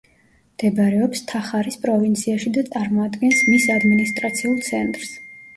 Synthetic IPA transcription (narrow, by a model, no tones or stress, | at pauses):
md̪̥ɛbɾɛɔpst̪ʰaχaɾispʼɾɔvint̪sʰiaʃid̪at̪sʼaɾmɔad̪ɡɛnsmisad̪minist̪ʼɾat̪sʰiulˠt̪sʰɛnt̪ʼɾs